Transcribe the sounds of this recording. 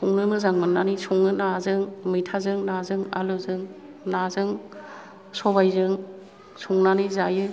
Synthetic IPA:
suŋnɯmɯzaŋmɯnanisuŋnɯnazɯŋmijtʰazɯŋnazɯŋa̰luzɯŋ | nazɯŋ | sɔbajzɯŋ | sʰuŋnanizajɯ

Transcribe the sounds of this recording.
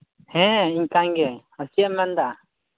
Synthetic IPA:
hɛ̃iɲkaɲɡɛhəsijamɛnd̪a

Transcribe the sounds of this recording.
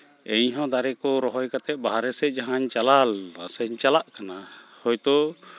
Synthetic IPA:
ɛɲɦɔ̃d̪aɾɛkɔɾɔɦɔjkat̪ɛʔ̪̚ˀbaɦaɾɛsɛd͡ʒaɦaɲt͡ʃalalɾa̰sɛɲt͡ʃalaʔkanahɔjt̪ɔ

